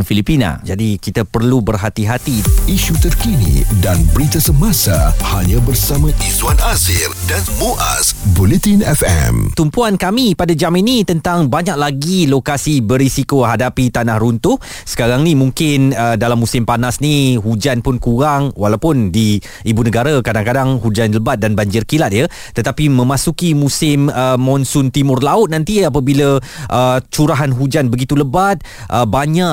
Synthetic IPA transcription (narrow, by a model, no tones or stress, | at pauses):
nfilipina̰d͡ʒadikit̪apərlubərɦat̪iɦat̪iiʃut̪ərkinḭdanbəɾit̪asəmasahaɲãbərsamãʔiswanazɪrdanmuʔa̰sbulɛt̪inɛfɛ̰mt̪umpuankamipadad͡ʒaminit̪ənt̪aŋbaɲak̚laɡilokasibəɾisikoɦadapit̪anahɾunt̪ʊh | sə̥kaɾaŋnimũŋkɪnədalamːusɪmpanasniɦud͡ʒanpʊnkuɾaŋwalawpʊndi | ibunəɡaɾakadaŋkadaŋhud͡ʒanləbat̪̚danbaɲd͡ʒɪrkilat̪̚jə | t̪ət̪apimə̃mãsukimusɪməːɔnsʊnt̪imʊrlaʊt̪̚nãnt̪iapabilə | ʔət͡ʃuɾaɦanɦud͡ʒanbəɡit̪uləbat̪̚ | ʔəbaɲaʔ